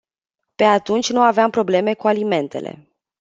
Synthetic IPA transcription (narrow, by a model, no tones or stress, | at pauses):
pe̞at̪unt͡ʃʲnuaveampɾo̞ble̞me̞kualime̞nt̪e̞̰lḛ